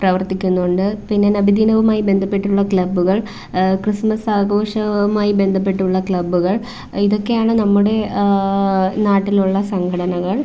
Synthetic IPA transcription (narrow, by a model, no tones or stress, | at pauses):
prɐʋɐrt̪ikʲːunːuoɳɖɨpinːenɐbʱid̪iːnɐʋumaːjibe̞nd̪ʱɐpːe̞ʈːuɭːɐkɭɐbːuɣɐɭ | krɨsmɐsaːɡo̞ːʂɐmaːjibe̞nd̪ʱɐp̬ːe̞ʈːuɭːɐkɭɐbːuɣɐɭ | iðo̞kːe̞jaːɳɨnɐmːuɽe̞ | naːʈːiluɭːɐsɐŋɡʰʱɐɽɐnɐɣɐɭ